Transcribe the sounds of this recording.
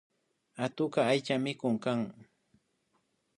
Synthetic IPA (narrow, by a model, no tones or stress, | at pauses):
at̪ʊkaːjt͡ʃamɪkʊŋkaŋ